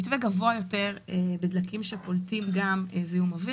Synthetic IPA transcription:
it̪veɡavoajo̞te̞ʁebed̪lakimʃepolt̪imɡameziumavi

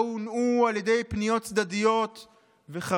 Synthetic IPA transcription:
unualjed̪e̞jpnijo̞t̪̚t͡sd̪ad̪ijo̞t̪ | veχa

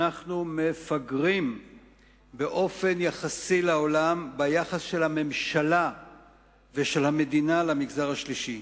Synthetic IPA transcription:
aχnume̞faɡʁim | be̞ʔo̞fe̞njaχasilao̞lambajaχasʃe̞lhame̞mʃala | veʃe̞lhame̞dinalamiɡzaʁhaʃliʃi

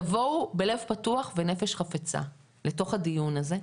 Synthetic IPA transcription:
vo̞wbe̞le̞vpatuaχvenefeʃχafet͡sa̰ | leto̞χhadijunaze̞

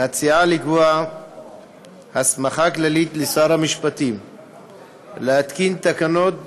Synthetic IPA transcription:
hat͡siʕaliɡua | hasmaχaklalit̪lisaɾamiʃpat̪iːm | lehat̪kint̪akanot̪̚

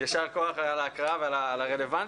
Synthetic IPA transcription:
jaʃaʁko̞aχalaːkʁaavealaːlaʁele̞van

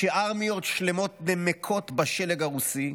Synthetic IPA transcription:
ʃeʔaʁmijo̞t̪ʃlemo̞t̪̚nemekʰo̞t̪baʃeleɡaʁusi

